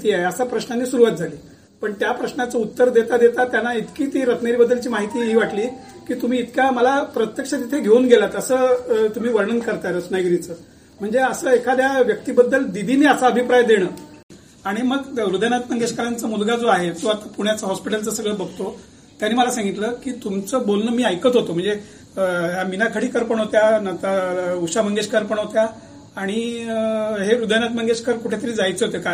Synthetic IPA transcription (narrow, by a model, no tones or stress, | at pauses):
t̪iːaɦeəsapɾəɕnanːiːsuɾuʋat̪̚d͡zʱaliː | pəɳt̪japɾəɕnat͡səut̪ːəɾd̪et̪ad̪et̪at̪janːait̪kiːt̪iːɾət̪neɾibəd̪ːəlt͡ɕiːmaɦit̪iːɦiːʋaʈliː | kiːt̪um̤iːt̪kjaməlapɾət̪jəkʂət̪it̪ʰeɡʱeunɡelat̪əsəːt̪um̤iːʋəɾɳənkəɾt̪aɾəsnajɡɾit͡səː | m̤əɳd͡zeəsəːekʰad̪jaʋjək̚t̪iːbəd̪ːəld̪id̪ʱiniːəsaəbʱipɾajd̪eɽ̃əː | aɽ̃iməɡɾud̪əjnat̪məŋɡeɕkəɾant͡səmulɡad͡zoaɦed͡zoat̪apuɽ̃jat͡səɦɔspiʈəlt͡səsəɡɭəbəɡ̚ʱt̪o | t̪janːiːməlasãŋɡit̪ləkiːt̪umt͡səbolnəmiːajkət̪ɦot̪om̤əɳd͡ze | əɦjaminakʰəɽiːkəɾpəɳɦot̪janat̪auɕaməŋɡeɕkəɾpəɳɦot̪ja | aɽ̃i | ɦeɾud̪əjnat̪̚məŋɡeɕkʰəɾkuʈʰet̪əɾiːd͡zajt͡səɦot̪eka